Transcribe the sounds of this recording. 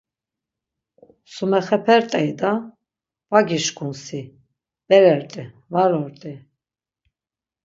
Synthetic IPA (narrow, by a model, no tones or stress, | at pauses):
sumɛχɛpʰɛɾt̪ʼɛjd̪a | vaɡiʃkʰunsi | b̥ɛɾɛɾt̪ʼi | vaɾɔɾt̪ʼi